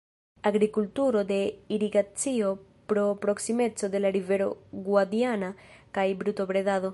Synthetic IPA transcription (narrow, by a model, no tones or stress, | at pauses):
aɣɾikult̪uɾod̪eiɾiɡat͡sio | pɾopɾoksimet͡soðelaɾiveɾo̰ɡwad̪janakajbɾut̪oβɾeðaðo